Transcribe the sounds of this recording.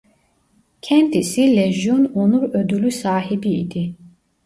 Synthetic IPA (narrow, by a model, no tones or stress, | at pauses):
cʰɛnt̪ʰisilɛʒjɔnɔnuɾød̪ylysaːɦibḭːd̪i